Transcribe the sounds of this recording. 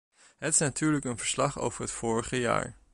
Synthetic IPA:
ɦətɪ̥snatyːɹləkənvəɹslɑχo̰wv̥əɹɦətfʊːɹəχəja̰ːɹ

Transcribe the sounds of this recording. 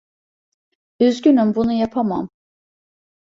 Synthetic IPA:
yzɟynymbunujapʰama̰m

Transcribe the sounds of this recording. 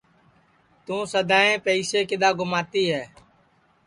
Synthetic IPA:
t̪ũːsəd̪aːẽːpəiːseːkɪd̪aːɡʊmaːt̪iːɦɛː

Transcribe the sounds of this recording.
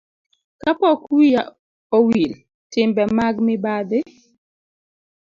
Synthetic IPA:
kapɔkwija | owil | tɪmbɛmaɡmɪbadɪ

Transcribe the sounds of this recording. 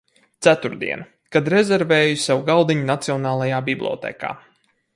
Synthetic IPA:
t̪sæt̪uɾd̪ḭɛn | kad̪ɾɛzɛɾvɛːjusawɡald̪iɲunat̪siɔnaːlˠajaːbiblʲˠɔ̰t̪ḛːka̰ː

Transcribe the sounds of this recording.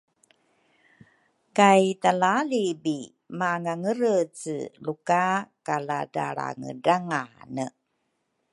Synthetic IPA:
kajtalalibi | maŋaŋəɾət͡sə̰lukakalada̰ɽa̰ŋə̰daŋanə

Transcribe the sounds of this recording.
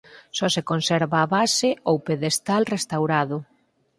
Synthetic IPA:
sɔsekonsɛɾβaːβasɪowpeðest̪alrest̪awɾaðʊ

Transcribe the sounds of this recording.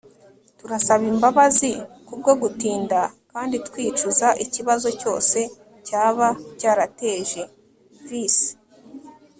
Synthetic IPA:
tuɾasaβimbaβazikub̚ɡo̞ɡutiːndakaːnditkwiːt͡ʃuzaʔiciβazo̞co̞ːse̞ | caːβacaːɾate̞ːʒe̞ | vis

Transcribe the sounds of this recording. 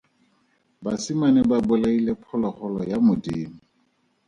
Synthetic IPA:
basimanɛbabʊlailepʰɔlɔχɔlɔjamʊdiːm̩

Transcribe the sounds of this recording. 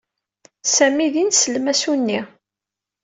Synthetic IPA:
sæmiðinsəlmæsunːi

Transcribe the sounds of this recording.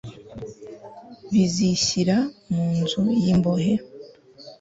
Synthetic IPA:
βiziɕiɾamuːnzujimboɦe

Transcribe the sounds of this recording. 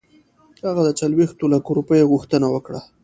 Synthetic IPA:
haɣad̪ət͡salwext̪olakoɾupəjeɣuxt̪ənawəkɽa

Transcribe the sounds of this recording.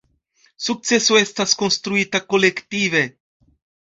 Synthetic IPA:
suk̚t͡sɛsoɛst̪askonst̪ɾuiːt̪akolɛkt̪iːvɛ

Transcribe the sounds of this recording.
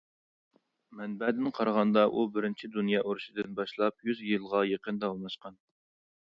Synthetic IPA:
mɛnbɛd̪ɪnqʰɑɾʁɑnd̪ɑʔubɪɾɪnt͡ʃʰid̪unjɑːʔoɾuʃid̪ɪnbɑʃlˠɑp̚jyzjɨlˠʁɑjeqənd̪ɑlˠnˠɑʃqɑn

